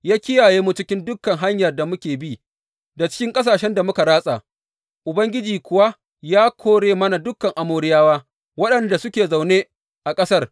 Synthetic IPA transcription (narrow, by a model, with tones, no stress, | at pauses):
jaː˦kʲɪ˦jaː˨jeː˦mu˦t͡ʃɪ˦kʲɪ˦ndʊ˦kːɐ˨ŋɦa˦ɲjɐ˨rda˨mʊ˦kʲeː˨bi˦ | da˨t͡ʃɪ̥˦kʲɪ˦ŋkʼɐ˦s̬aː˨ʃɛ˦nda˨mʊ˦ka˨ɽaː˦sʼa˨ | ʔʊ˨bɐ˦ŋɡʲɪ˦d͡ʒiː˨kʷʊ˨wa˦ | jaː˦kʰʷoː˦ɽeː˦mɐ˦na˨dʊ˦kːɐ˨ŋʔa˨moː˦ɾɪ˦jaː˦waː˦ | wɐ˦ɗɐ˨nda˨sʊ˦kʲeː˨za˨wneː˦ | ʔa˨kʼɐ˦sɐ˦r